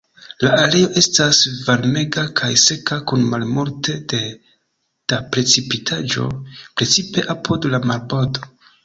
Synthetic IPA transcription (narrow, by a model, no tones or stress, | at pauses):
laale̞jo̞ʔe̞stasvaɾme̞ɡakʰajse̞kakunmalmoɾte̞de̞ | d̥apɾe̞t͡sipitʰad͡ʒo̞̰pɾe̞t͡sipe̞ʔapʰodlamalbodo̞